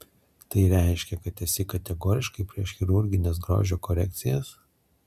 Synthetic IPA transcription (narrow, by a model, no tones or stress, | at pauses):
t̪ɐɪɾʲæˑɪʃʲkʲɛkɐt̪ɛsʲɪkɐt̪ʲɛɡoːɾʲɪʃkɐɪpʲɾʲiɛʃxʲɪɾʊɾʲɡʲɪnʲeːsɡɾo̰ːʒʲoːkɔɾʲɛk̚ʲt̪sʲɪjɛs